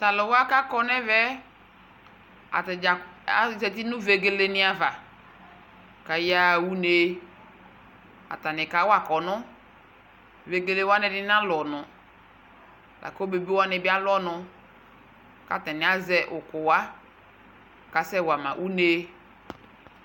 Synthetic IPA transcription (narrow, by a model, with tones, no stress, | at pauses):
ta˨lɔ˨wa˦ka˦kɔ˦nɛ˦vɛ˦ | a̰˨a˨a˨sɛ˨ti˦nʊ̃˦ve˨ɡe˨le˦nɪ˦a˨va˨ | ka˨ja˦˨wu˦ne˦ | a̰˨ta˨nɪ˨ka˨˦wa˨kɔ˨nʊ˦ | ve˨ɡe˨le˦wa˦nɛ˨dɪ˦n˦a˦lɔ˨nʊ˨ | lʔa̰˨ko˦be˨be˦wa˦nɪ˨bɪ˦a˦lɔ˦nʊ˧ | ka˨tɛ˨nɪ˨˦a˦zɛ˨ʔʊ˨kʊ˨wa˦ | ka˨sɛ˦wa˨mã̰˨ʔu˦ne˦